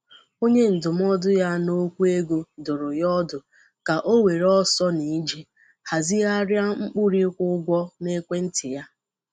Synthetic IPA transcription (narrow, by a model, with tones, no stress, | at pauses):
o˦ɲe˦n̩˨dʊ˨m˦ɔ˦dʊ˦ja˦no˦kʷu˦e˦ɡo˦dʊ˨ɾʊ˨jɔ˦dʊ˨ | ka˨ʔo˦we˨ɾɔ˦sɔ˦ni˨˦d͡ʒi˦ | ha˨zi˦a˦ɾja˦ŋ͡m̩˦k͡pʊ˦ɾi˦kʷʊ˦ɡʷɔ˦ne˦kʷe˦n̩˦tɪ˨ja˦